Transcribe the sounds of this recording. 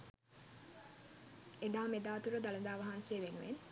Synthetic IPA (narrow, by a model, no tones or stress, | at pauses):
ed̪aːmed̪aːt̪uɾəd̪alɐd̪aːʋɐɦanseːʋenuʋen